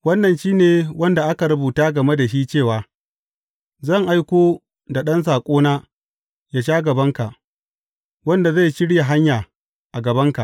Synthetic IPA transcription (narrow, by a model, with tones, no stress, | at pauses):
wɐ˦nːɐ˨nʃiː˦neː˨wɐ˦nda˨ʔa˦ka˨ɾʊ˦buː˨taː˦ɡɐ˨me˦da˨ʃiː˦t͡ʃeː˦˨waː˨ | zɐ˦˨ŋʔa˦jkʷoː˦ | da˨ɗɐ˦ns̬aː˨kʷʼoː˦naː˦ | jaː˦ʃaː˦ɡɐ˨bɐ˦ŋka˨ʔ | wɐ˦nda˨za˦˨jʃɪ˦ɽja˨ɦa˦ɲjaː˨ | ʔa˨ɡɐ˨bɐ˦ŋka˨ʔ